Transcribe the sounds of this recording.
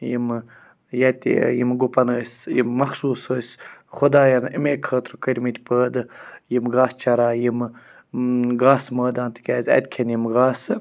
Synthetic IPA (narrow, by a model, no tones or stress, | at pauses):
jḭm | jat̪ʲḭjimɡupɐnəːsjimːɐxsuːsəːsxʊd̪aːjɐnimeːkʰəːt̪ɾkəɾʲmit̪ʲpəːd̪ɨjimɡaːst͡ʃɐɾaːjim | ɡaːsməːd̪aːnt̪ʰɨ̥kʲaːzʲɐ̰t̪ʲkʰenjimɡaːsɨ